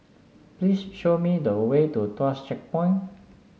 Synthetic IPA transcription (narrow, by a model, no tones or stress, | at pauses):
plisʃomidəwetutɔst͡ʃɛk̚pɔ̃j̃n